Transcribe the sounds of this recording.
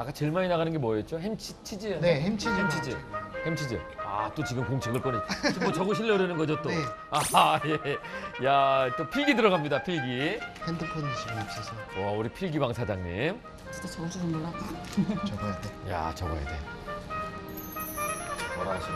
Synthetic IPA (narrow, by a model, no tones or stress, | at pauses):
ak͈at͡ɕɯɭmainaɣanɯnɡemwʌet̚t͡ɕ͈ohemt͡ɕʰit͡ɕʰid͡ʑinehemt͡ɕʰiemt͡ɕʰid͡ʑihemt͡ɕʰid͡ʑḭa̰t͈ot͡ɕiɡɯmkoŋt͡ɕʰeɡɯɭk͈ʌnemot͡ɕʌɡɯɕʰiʎːʌɾɯnɯnɡʌd͡ʑot͈o | ajejat͈opʰiɡidɯɾʌɡamɲidapʰiɡihendɯpʰoniɕʰiɡɯnap̚s͈ʌsʰʌauɾipʰiɭɡibaŋsʰad͡ʑaŋɲḭm | t͡ɕi̥tʰet͡ɕʌusʰuɾʌnmolːat͈a | t͡ɕʌɡʌjedeja̰t͡ɕʌɡʌ̰jḛdḛ | ʌɾa